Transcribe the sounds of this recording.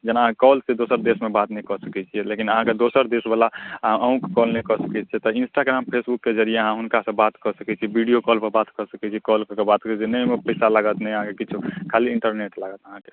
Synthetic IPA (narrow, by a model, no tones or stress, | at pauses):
d͡ʒənaɦãkɔlsed̪osəɾd̪esmebat̪nəikɔsəkɛt͡ʃʰijɛlekinəɦãked̪osəɾd̪esbalaɦãʔəũkekɔlnɛikɔsəkɛt͡ʃʰɛt̪ɔinsʈaɡɾampʰesbukːed͡ʒəɾieəɦãɦunkasə̃bbat̪kɔsəkɛt͡ʃʰibiɖijokɔlpəɾbat̪kɔsəkɛt͡ʃʰikɔlkɔkebat̪ət͡ʃʰinəimepəɪsalaɡət̪nɛjəɦãkekit͡ʃʰukʰaliiɳʈəɾneʈlaɡət̪əɦãke̥